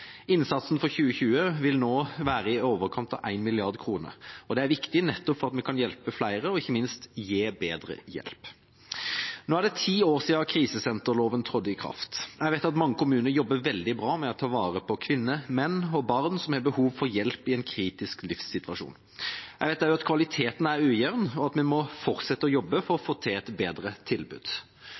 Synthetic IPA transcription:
ɪnsɑt̪sn̩fɔʁçʉːəçʉːəʋɪlnoːʋæːɾəɪoːʋəʁkʰɑnt̪ɑ̰ʋʔæɪnmɪlɪɑʁd̪kʰɾuːnə̰ɾɔd̪ɛæɾʋɪkt̪ɪnɛt̪ːɔpfɔʁɑt̪mɛkʰɑnjɛlpəflæɪɾəɔɪçːəmɪnst̪jeːbeːd̪ɾə̰jɛ̰lp | noːæʁd̪ɛt̪ʰiːoːʁsiːɑkʰɾiːsəsɛnt̪əʁloːʋənt̪ʰʁɔd̪əɪkʰɾɑ̰ft̪æɪʋæɪt̪ɑt̪mɑŋːəkʊmʉːnəɾjɔbːəɾʋɛld̪ɪbɾɑːmɛɔt̪ʰɑːʋɑːɾəpʰɔkʰʋɪnːəmɛnːɔbɑʁnsɔmhɛːɾbəhuːʋfɔɾjɛlpɪɛnkʰɾiːt̪ɪsklɪfsːɪt̪ʋɑʂṵːn | æɪʋæɪt̪æɪʊɑt̪kʰʋɑlɪt̪ʰeːt̪n̩æɾʉːjɛʋnɔɑt̪mɛnmɔfɔɾt̪sɛt̪ːəɔjɔbːəfɔɾɔfoːt̪ʰeːɛt̪beːd̪ɾət̪ʰɪlbʉ̰ːd̪̥

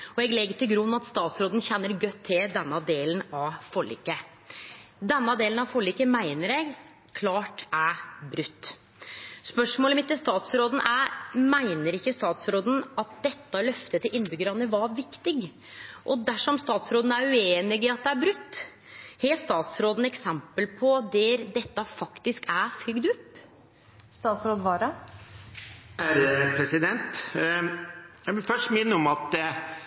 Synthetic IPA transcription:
ɔɛɡlɛɡːəʈʰɪlɡɾʉnːɑt̪st̪ɑːt̪sɾoːd̪nçɛnːəɾɡœt̪ʰːɪld̪ɛnːɑd̪eːlnɑʋfɔɭḭːkːə | d̪ɛnːɑd̪eːlənɑʋfɔɭikəmæɪnəɾɛɡ | kʰlɑːʈæbɾʉt̪ː | spœʂmoːləmɪt̪ːɪlst̪ɑːt̪sɾoːd̪n̩ʔæɾmæɪnəɾɪkːəst̪ɑːt̪sɾoːd̪n̩ɑt̪̚d̪ɛt̪ːəlœft̪ət̪ʰɪlɪnːbʏɡəɾɑnəʋɑɾʋɪkt̪ɪɡ | ʔɔd̪æʂɔmst̪ɑːt̪sɾoːd̪n̩æɾʉeːnɪɡɪɑt̪̚d̪ɛæbɾʉt̪ː | heːst̪ɑːt̪sɾoːd̪n̩ɛksɛmpəlpʰɔd̪ɛɾd̪ɛt̪ːɑfɑkt̪ɪskæfɾʏɡd̪ʉpː | st̪ɑːt̪sɾoːd̪ʋɑːɾɑ | æɾɛpʰɾɛsɪd̪ɛnt̪ | jæʋɪlfœʂʈmɪnːəɔmɑt̪̚d

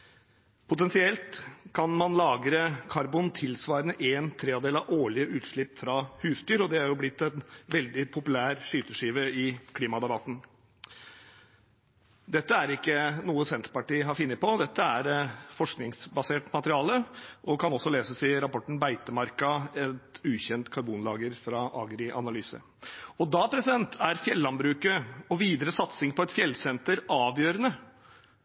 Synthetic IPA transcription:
pʰʊt̪ɛnsɪɛlt̪kʰɑnmɑnlɑːɡɾəkʰɑɾbunt̪ʰɪlsʋɑːɾənəʔeːnt̪ʰɾeːɑd̪eːlɑʔoːɭɪəʔʉːt̪ʂɭɪpːfɾɑhʉːst̪yːɾɔd̪ɛhɑɾjʊblɪt̪ːɛnʋɛld̪ɪpʰʊpʉlæːɾʂyːt̪əʂiːʋəɪkʰliːmɑd̪ɑbɑt̪ːn̩ | d̪ɛt̪ːəæɾɪkːənuːəsɛnt̪ɾpɑʈiːɦɑɾfɪnːəpɔd̪ɛt̪ːəæɾfɔʂknɪŋsbɑseːʈmɑt̪əɾɪɑːləʔɔkʰɑnɔsːɔleːsəsɪɾɑpɔʈɳ̩bæɪt̪əmɑɾkɑɛt̪ʉːçɛnt̪kʰɑɾbuːnlɑːɡəɾfɾɑʔɑ̰ːɡɾɪʔɑ̰nɑlyːsə̰ | ɔd̪ɑpʰɾɛsɪd̪ɛnt̪ʰæɾfjɛlːɑnbɾʉːkəɔʋiːd̪əɾəsɑt̪sɪŋpɔɛt̪fjɛlːsɛnt̪əɾɑːʋjøːɾənə

